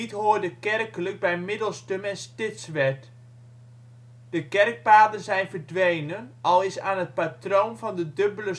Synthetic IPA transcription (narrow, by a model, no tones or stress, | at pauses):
itɦoːdəkɛrkələk̚bɛjmɪdəlˠstømɛnstɪtsʋɛt | d̥əkɛrk̚paːdənzɛjnvərdʋejnənʔɔlˠɪsaːnət̚patrownvɑndədøbələ